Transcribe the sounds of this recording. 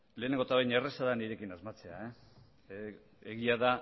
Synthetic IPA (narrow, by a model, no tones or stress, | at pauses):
le̞ːne̞ŋɡo̞t̪aβejneresaðaniɾe̞kinazmat͡se̞ae | eɣiaða